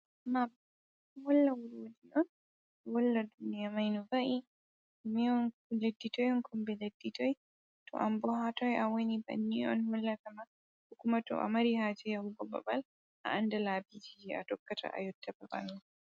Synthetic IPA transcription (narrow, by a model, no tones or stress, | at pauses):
ma | hɔlːawuɾwodiʔɔn | wɔlːadunijamajnɔbaʔi | miɔnledːitɔjɔnkʰɔmbɛledːitɔj | tʰɔ̰ʔambɔɦatɔjʔawoniba̰nːiɔ̰nhɔlːatama | ukumatɔ̰ʔa̰maɾihad͡ʒɛjahubɔba̰bal | ʔa̰ʔandalaːbid͡ʒid͡ʒia̰tɔkːatʰa̰ʔa̰jɔtʰːababa̰lma